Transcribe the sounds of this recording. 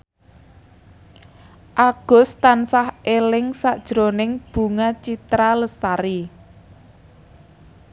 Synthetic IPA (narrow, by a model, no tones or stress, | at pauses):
ʔaɡ̥ɔ̤st̪ansahʔelɪŋsaʔd̥ʒ̥ɾonɪŋb̥ṳŋat͡ʃit̪ɾaləst̪aɾi